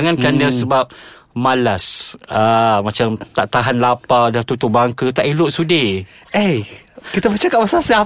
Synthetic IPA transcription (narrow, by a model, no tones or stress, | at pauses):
aŋãnkanəsəbap̚ | malasamãt͡ʃamt̪aʔt̪aɦanlapadaht̪ut̪ubaŋkət̪aʔilʊʔsudi | ejkit̪abət͡ʃakamasasia